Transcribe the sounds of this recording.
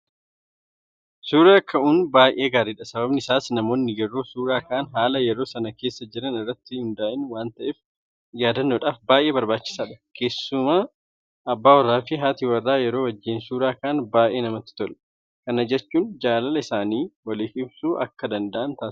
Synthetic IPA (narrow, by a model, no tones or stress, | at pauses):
suːɾaːkʰːɐʔuːnbaːjʔe̞ːɡaːɾɪːᶑɐsɐbɐbnɪsaːsnɐmo̞ːnːɪjɛɾo̞ːsuːɾaːkɐːnɦaːlɐjɛɾo̞ːsɐnɐkeːsːɐd͡ʒɪɾɐnɪrːɐt̪ːɪhʊnd̪aːʔɪnwaːnt̪ɐʔɛf | jaːd̪ɐnːoːᶑaːfbaːʔe̞ːbɐɾbaːt͡ʃːɪ̥saːᶑɐ̥kʰe̞ːsːʊmaː | ɐbːaːwɐrːaːfɪɦaːt̪iwɐrːaːjɛɾo̞ːwɐd͡ʒːɪːnsuːɾaːkaːnbaːʔeːnɐmɐt̪ːɪ̥t̪ɔlɐ̥ | kɐnɐd͡ʒɛt͡ʃːuːnd͡ʒaːlɐlɐɪsaːniːwɐlɪːhɪbsuːʔɐ̰kːɐd̪ɐnd̪ɐʔɐnt̪aːs